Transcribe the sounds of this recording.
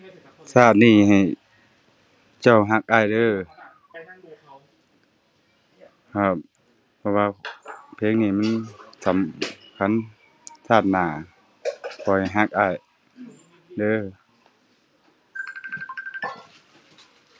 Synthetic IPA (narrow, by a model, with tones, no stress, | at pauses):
saː˧˩t̪̚niː˧˩ha˨˩j | t͡ɕa˧˩wɦa˧˥k̚ʔaː˧˨jdɤː˧˨ | kʰa˧˩ | pʰɔ˧˩waː˧pʰeː˧˥˨ŋniː˧˩ma˧˥˨nsa˨˦mkʰa˧˥˨n | sʰaː˧˩t̪̚naː˨˩ | kʰɔː˨˩ha˨˩jɦa˧˥k̚ʔaː˧˩˨j | dɤː˧˥˨